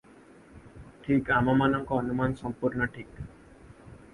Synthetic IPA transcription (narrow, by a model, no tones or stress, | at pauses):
ʈʰikamamanɔŋkɔɔnumansɔmpuɾnɔʈʰik